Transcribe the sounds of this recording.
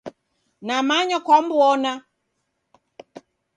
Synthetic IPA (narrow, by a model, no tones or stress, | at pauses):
namaɲakwambwɔna